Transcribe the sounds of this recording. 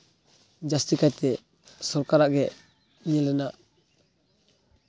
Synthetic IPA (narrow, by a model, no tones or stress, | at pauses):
d͡ʒast̪ikajt̪ɛ | sɔɾkaɾaʔɡɛʔ | ɲɛlɛnaʔ